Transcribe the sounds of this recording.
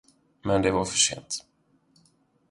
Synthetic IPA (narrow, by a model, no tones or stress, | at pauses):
mɛnd̪ɛvaɾfœʂḛːnt̪